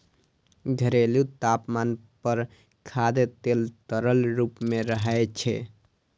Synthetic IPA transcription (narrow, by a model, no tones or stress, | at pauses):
ɡʱəɾelut̪apmanpəɾ | kʰad̪et̪elt̪əɾəlɾupmeɾəɦəjt͡ʃʰɛ̰